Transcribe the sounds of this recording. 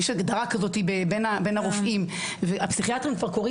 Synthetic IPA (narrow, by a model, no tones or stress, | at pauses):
jɛʃɡd̪aʁakazo̞t̪ibebenabenhaʁofʔim | veapsiχiatʁimkvaʁko̞ʁi